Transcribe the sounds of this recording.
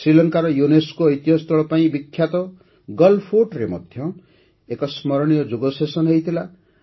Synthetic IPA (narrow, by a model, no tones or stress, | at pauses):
sɾilɔŋkaɾɔjuneskoːjt̪iɦɔst̪ɔɭɔpaĩbikʰːjat̪ɔ | ɡʌlpʰoʈɾemɔd̪ʱjɔ | ekɔsmʌɾɽ̃ijɔd͡ʒoɡɔsesɔnɦejt̪ʰila